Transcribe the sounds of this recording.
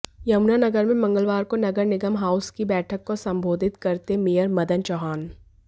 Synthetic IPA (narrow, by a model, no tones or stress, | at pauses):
jɐʊnanɐɡəɾmẽmɐ̃ŋɡəlʋaːɾkonɐɡəɾnɪɡəmɦaːʊskibɛːʈʰəkːosɐ̃mbʱoːd̪ʱɪt̪kɐɾt̪emijəɾmɐd̪ənt͡ʃɔɦaːn